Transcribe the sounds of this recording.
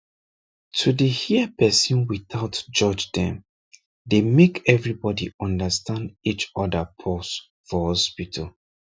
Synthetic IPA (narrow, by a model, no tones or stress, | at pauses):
tʰudəhiəpʰɛsɔ̃nwiθaʊtd͡ʒɔd͡ʒdɛ̃m | demekʰɛvɹibɔdiɔ̃ndəstʰãndit͡ʃɔdəpʰɔs | fɔhɔspitʰəl